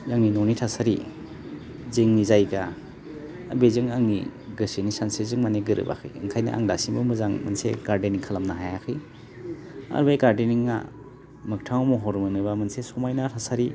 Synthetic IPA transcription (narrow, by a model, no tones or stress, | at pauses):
jaŋninonitʰasaɾi | zɯŋnizajɡa | a̰bezɯŋaŋniɡɯsenisansezɯŋmaneɡɯɾɯ̰ba̰kʰɯ̰jɯ̰ŋkʰajna̰ʔa̰ŋdasibɯmɯzaŋmɯ̰nsḛɡaɾdeniŋkʰalamnaɦajakʰɯj | a̰ɾbajɡaɾdeniŋːa̰ | mɯk̚tʰawmuɦɔɾmɯnɯbamɯnsesɔmajnatʰasaɾi